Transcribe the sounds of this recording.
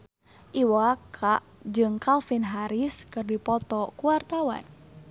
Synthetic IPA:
ʔiwakʰaʔd͡ʒɨŋkalfinɦaɾiskɨrdipɔt̪ɔkuwart̪awa̰n

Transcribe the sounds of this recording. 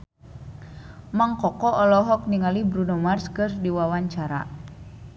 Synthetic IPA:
maŋkɔkɔʔɔlɔɦɔk̚niŋalibɾunɔmarskɨrdiwawaɲt͡ʃaɾa̰

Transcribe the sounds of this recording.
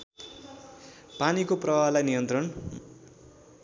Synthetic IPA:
panikoprʌbalajnijʌnt̪rʌn

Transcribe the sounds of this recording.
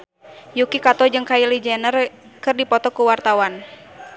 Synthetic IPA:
jukikat̪ɔd͡ʒɨŋkailid͡ʒɛnərkɨrdipɔt̪ɔkuwart̪awan

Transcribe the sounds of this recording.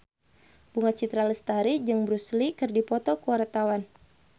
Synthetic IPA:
b̥uŋat͡ʃit̪ɾaləst̪aɾid͡ʒɨŋbɾuslikɨrdipɔt̪ɔkuwart̪awan

